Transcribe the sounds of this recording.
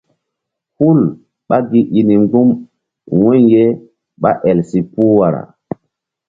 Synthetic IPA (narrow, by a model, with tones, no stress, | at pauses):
hu˦l | ɓa˦ɡi˨ʔi˨ni˨ŋɡu˦m | wu˦ɲje˦ | ɓa˦ʔɛ˨lsi˨pu˦wa˨ɾa̰˨